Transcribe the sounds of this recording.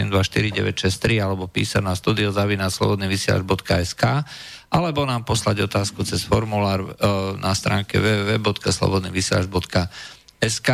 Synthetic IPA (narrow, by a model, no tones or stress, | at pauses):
ɛmd̪ʋaʃt̪iɾiɟɛ̰ʋɛcʃɛst̪ɾialɛbɔpḭːsanaːst̪uːd̪iɔzaʋinaslɔ̰bɔd̪niːʋisɪɛ̰la̰d͡ʒbɔt̪kaɛskaːʔalɛbɔnaːmpɔslaɟɔt̪aːskut͡sɛsfɔɾmulaːɾnʔast̪ɾa̰ːŋkɛ̰ʋɛɛʋɛːbɔt̪kaslɔ̰bɔd̪nḭːʋisɪɛ̰lad͡ʒbɔt̪ka | ɛska